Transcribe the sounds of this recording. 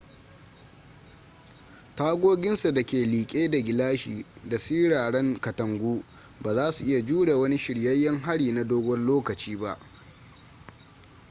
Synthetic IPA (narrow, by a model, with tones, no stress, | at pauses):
taː˦ɡʷoː˦ɡʲɪ˦nsu˨dɐ˨kʲeː˨liː˨kʲʼeː˦da˨ɡʲɪ˨laː˦ʃḭː˨da˨siː˦ɽaː˨ɽɛ˦ŋkɐ˨tɐ˨ŋɡʷuː˦ | baː˨zaː˦su˨ʔɪ˦ja˨d͡ʒuː˦ɽe˨wɐ˦ni˦ʃɪ˨ɽjɐ˦jːɐ˦ŋɦa˦ɽiː˨na˨doː˦ɡʷɔ˦rloː˦kɐ˨t͡ʃiː˦ba˦ʔ